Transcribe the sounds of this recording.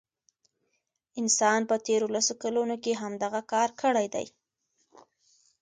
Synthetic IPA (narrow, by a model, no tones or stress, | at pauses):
ɪnsɑnpət̪eɾolasokalunokeɦamd̪aɣakɑɾkəɽajd̪a̰j